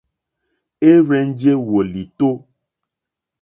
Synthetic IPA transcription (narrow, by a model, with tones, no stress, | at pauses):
e˦ɾɛ˦n˦d͡ʒe˦wo˨li˨t̪o˦